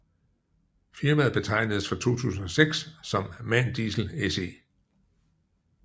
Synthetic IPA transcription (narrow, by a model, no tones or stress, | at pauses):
fiɐmæð̩ˠb̥e̝t͡sʰɑ̈ɪ̰nəðˠsfʁɒt͡sʰo̝̰ːt͡sʰṵːsn̩ɒ̽seɡ̥ssɒ̽mːæn̰d̥isl̩ese̝ː